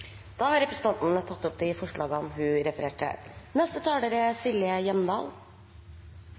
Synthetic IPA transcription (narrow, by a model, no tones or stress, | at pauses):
d̪̥ɑːhɑɾɛpɾəsən̩t̪ʰɑnt̪n̩ət̪ʰɑt̪ːɔpd̪ɪfɔʂɭʔɑːɡəɔnɦʉɾɛfəɾeːʈə̰nɛst̪ət̪ʰɑːləɾəsɪlɪəjɛmd̪ɑ̰ːl